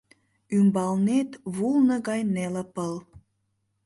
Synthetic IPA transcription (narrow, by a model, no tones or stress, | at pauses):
ymbɑlnet̪βulnəɣɑjneləpəl